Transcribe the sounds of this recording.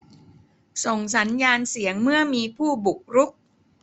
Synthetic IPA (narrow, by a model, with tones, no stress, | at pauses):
so˨˩ŋs̬a˩˦˥njaː˧nsi˩˦əŋmɯ˥˩ɐmiː˧pʰuː˥˩bu˨˩k̚ɾu˦˥k̚